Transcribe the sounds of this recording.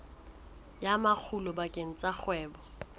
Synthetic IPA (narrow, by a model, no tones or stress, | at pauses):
jamak͡xʰulɔbakʼeŋ̩t͡sʼak͡xʰwɛːbɔ